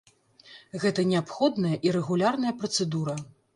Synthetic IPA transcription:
ɣɛt̪ɐnʲɛapxɔd̪nɐjɐʔiɾɛɣulʲarnɐjɐpɾɐt̪sɛd̪uɾɐ

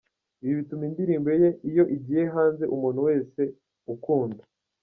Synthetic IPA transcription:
iβiβitumindiɾiːmbe̞jeijo̞ʔiɟiːjeɦaːnze̞ʔumuːn̤uwe̞ːse̞ | ukuːnda

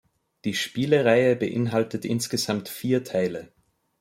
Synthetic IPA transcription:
d̥iːʃpiːləʁaɪəbəʔɪ̰nɦaltətʔɪ̰nsɡ̥əzamtfiːɐtʰaɪlə

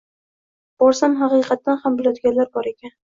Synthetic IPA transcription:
b̥ɒɾsamɦɑqɨqɑt̪ːanhambɪlˠjɒt̪ɡʲaɾlaɾbɒɾe̞kʲan

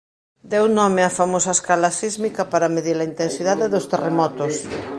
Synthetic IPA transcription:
d̪ewnɔmɪɐfamosɐeskalasizmikɐpaɾɐmeðiɾɐint̪ensiðaðeðʊst̪eremɔt̪ʊs

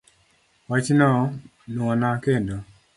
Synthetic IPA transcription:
wat͡ʃnɔ | nuɔnakendo

